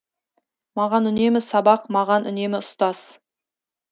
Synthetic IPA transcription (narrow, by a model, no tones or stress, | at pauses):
mɑʁɑnʏne̞mɪsɑbɑqmɑʁɑnʔʏ̰ne̞mɪʊst̪ɑz̥